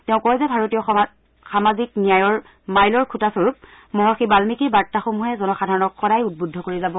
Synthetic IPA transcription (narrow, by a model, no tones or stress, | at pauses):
tɛʊ̃kɔɛzɛbʱaɹotijɔ | xamaziknijajɔɹ | majlɔɹkʰutasoɹup̚ | mɔɦaxibalmikiɹbaɹtːaxomuɦɛzɔnɔxadʱaɹɔnɔkxɔɾajut̚budʱːɔkoɹizabɔ